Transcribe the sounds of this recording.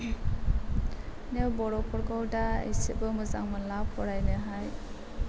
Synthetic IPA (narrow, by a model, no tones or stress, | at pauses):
newbɔɾɔpʰɔɾɡɔwdaḭjsɯbɯmɯza̰ŋmɯnlapʰɔɾajnɯɦaj